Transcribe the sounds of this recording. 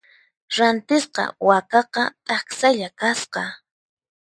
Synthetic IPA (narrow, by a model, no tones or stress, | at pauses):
ɾant̪ɪsqɑ̰wakɑqɑt̪ʼɑksaʎakasqɑ